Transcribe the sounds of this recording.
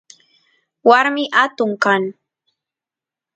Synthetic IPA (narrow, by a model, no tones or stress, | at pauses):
waɾmɪʔat̪ʊŋkaŋ